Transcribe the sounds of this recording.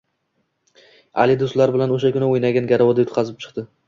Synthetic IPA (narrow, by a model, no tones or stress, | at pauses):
a̰lɪd̪ost̪laɾbɪlanoʃakʲʊnɪojnaɡʲanɡʲaɾawɒd̪ajʊt̪̚qʰɑzɪp̚t͡ʃʰɨ̥qt̪ɪ